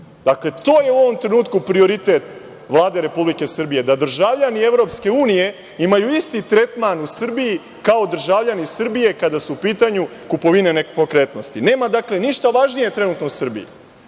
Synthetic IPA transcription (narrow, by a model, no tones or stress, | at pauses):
d̪̥akle̞t̪o̞ːjeuo̞ʋo̞mt̪ɾe̞nuːt̪kupɾio̞ɾit̪et̪ | ʋlˠaːd̪e̞ɾe̞publike̞sr̩bije̞d̪ad̪r̩ʒavʎanie̞vɾo̞pske̞uːnije̞ | imajuist̪it̪ɾe̞t̪manusr̩biji | kao̞d̪r̩ʒaʋʎanisr̩bije̞kad̪asuupiːt̪aɲu | kupo̞ʋine̞nepo̞kɾe̞t̪no̞st̪ine̞ːmad̪akle̞niʃt̪aʋaʒnije̞t̪ɾe̞nut̪nousr̩bḭjḭ